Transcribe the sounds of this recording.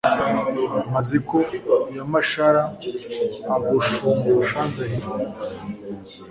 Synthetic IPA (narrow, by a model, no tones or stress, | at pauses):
mazikojamaʃaɾaː | boʃomoʃaːndaɦiɾo